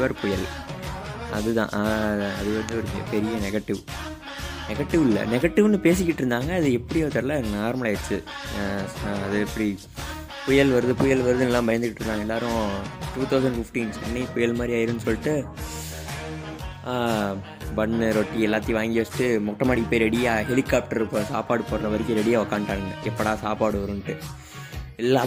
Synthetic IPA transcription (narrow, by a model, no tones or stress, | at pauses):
ʋɐɾpʊjɐl | ɐðɯt̪ã̰ːʔɐðɯʋɐɾnd̪ɯɔɾɯ̰pɛɾɪjɐnɛɣɐʈːɪʋ | nɛɣɐʈːɪʋɪlːɐ̰nɛɣɐʈːɪʋnːɯpeːs̬ɪkːɪʈːɾɯnd̪aːŋɡɐːðɯɛpːɐɽiʋɐɾt̪ɐɾlːɐnaːɾmɐɭɐɛt͡ʃːɯ | ɐðɯɛpːɐɽi | pʊjɐlʋɐɾɐðɯpʊjɐlʋɐɾɯðɯɛlːãːbɐjɐnd̪ɯkːɪʈːɪɾɯnd̪aːŋɡɐɛlːaːɾʊ̃ʈuːt̪ʰɐʊs̬ɐɳɖfɪfʈiːnsɛnːipʊjɐlmaːd̪ɾiaːjɪɾɯnːɯsɔlːɪʈːɯ | bɐɳːɯɾɔʈːiɛlːaːt̪ːiʋaːŋɡiʋɐt͡ʃːʈːɯmɔkʈːɐmaːɽɪkːɯpːoːjɾɛɽɪjaːɦɛlɪkːaːp̚ʈɐɾpːsaːpaːɽɯpoːɾɾɐʋɐɾɪkːɯɾɛɽɪjaːɔkːaːɳʈːaːɯŋɡɐʔɛpːɐɽaːsaːpaːɽɯʋɐɾɯŋɐʈːɯ | ɛlːaː